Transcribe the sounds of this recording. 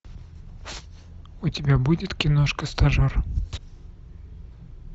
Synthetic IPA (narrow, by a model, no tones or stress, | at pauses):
ʊtʲɪbʲabudʲɪt̪kʲɪnoʂkəst̪ɐʐor